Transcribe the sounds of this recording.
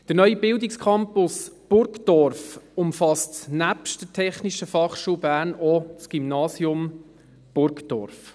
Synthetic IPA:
d̥əɾnœʏibɪldikskʰɑmpʊsb̥ʊɾkd̥ɔɾfʊmfɑstnæpʃtd̥ətʰɛχniʃəfɑχʃuːbæːɾnɔt͡sɡ̥imnɑːsjʊm | b̥ʊɾkd̥ɔ̰rf

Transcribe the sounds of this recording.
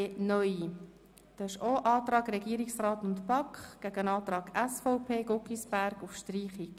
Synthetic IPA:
nœʏi | d̥ɑːɪʃoːʔɑːt̪ɾɑːɡɾɛɡiəɾiksrɑːtʊntpɑkχɡ̥æɡənɑːt̪ɾɑːɡæsfɔʊpʰeːɡ̥okisbæɾɡufʃtriːχik

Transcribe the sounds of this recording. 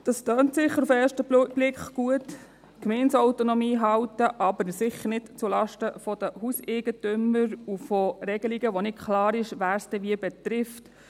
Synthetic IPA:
d̥ɑstøːntsɪχːəɾufɛːɾʃtəbb̥lɪkχɡ̥uət | kmɛnsɔwtonɔmiːɦɑwtəʔɑbəɾsɪχəɾnɪtt͡sulɑʃtəfɔdəhuseɡ̥ətʏmːəɾufɔrɛɡ̥əliɡəʋɔnɪtkʰlɑːɾɪʃʋæːɾstəʋiəbɛt̪ɾɪft

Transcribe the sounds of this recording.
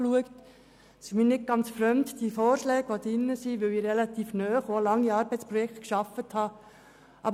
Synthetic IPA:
luəkt | simiːnɪd̚ɡ̥ɑnt͡sfɾœmtd̥iəfɔːɾʃlɛːɡ̥ʋod̥̪ɪnːəsiʋɪliːɾrɛlɑt̪iːfnœːχolɑŋːiɑːɾbɛɪt͡spɾɔjɛktkʃɑfəthɑː | ʔɑb

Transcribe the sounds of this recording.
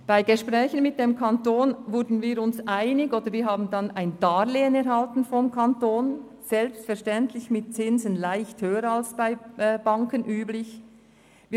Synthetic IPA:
b̥aɪɡɛʃpʁɛːçənmɪt̚d̥emkʰɑntoːnvʊɾdn̩viːɾʊnsʔaɪnɪɡoːdəɾviːɾɦaːbn̩dɑnʔaɪnd̥ɑːleːənɛɾhɑltn̩fɔmkʰantoːn | z̥ɛlpstfɛɾʃtɛntʰlɪçmɪt̚t͡sɪnzənlaɪçthøːəɾɑlsb̥aɪb̥ɑŋkənʔyːblɪç | v

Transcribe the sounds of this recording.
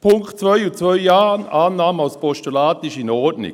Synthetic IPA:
pʰʊŋktt͡svœʏut͡svœʏjaːnaːnːaːmalspɔʃtulaːtɪʃɪnɔɾdnɪ̰

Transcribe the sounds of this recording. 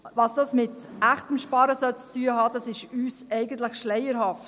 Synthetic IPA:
ʋɑsd̥ɑsmɪtʔæχtəmʃpɑːɾəsœt͡styəhɑːd̥̪ɑsɪʃyːsɛɪɡəntləχʃlɛɪəɾhɑft

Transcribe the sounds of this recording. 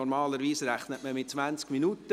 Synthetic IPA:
ɔɾmɑːləɾʋiːsɾæχnətməmɪt̚t͡svænt͡skminut̪ə

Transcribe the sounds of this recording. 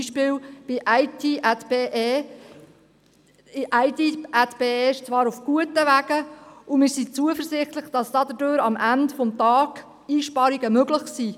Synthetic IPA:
iʃpɪːwb̥ɪʔæɪtʰiʔætbeːʔeː | ɪʔæɪtiætb̥eːeːʃt͡sʋɑːɾufɡ̥uətəʋæɡ̥əʊmɪːɾsit͡suəfəzɪχtləχd̥ɑsd̥ɑd̥̪ədøːɾɑmʔændfɔmtɑːɡ | iːʃpɑɾiɡəmøɡlɪχsiː

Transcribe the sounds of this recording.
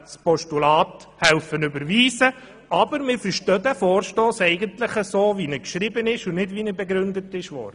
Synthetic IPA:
spɔʃtulɑːt | hɛlfənʉbəɾʋiːsə | ɑbəɾmɪːɾfəɾʃtœd̪æfɔːɾʃtoːsɛɪɡəntləχəsoːʋinəkʃɾɪbənɪʃʊnɪdvinəbɛɡɾʉnd̪ətɪʃʋɔ̰ɾdə

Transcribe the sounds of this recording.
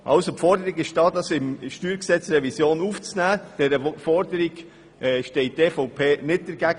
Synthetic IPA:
ʔɑ̰lsopfɔɾdəɾiɡɪʃd̥ɑːdɑsɪmʃtyːɾksɛt͡srɛvisjoːnuft͡snæːd̥ɛɾəfɔɾdəɾiɡ | ʔɛʃtɛɪt̚tɛfoʊpʰeːnɪt̚d̥ɛɾɡæːɡ

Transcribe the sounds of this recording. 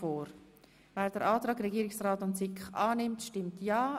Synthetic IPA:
oːɾ | vɛːɾd̥əɾʔaːtɾaːɡrɛɡiːɾɪksraːtʊntsɪkχaːnɪmtʃtɪmtjaː

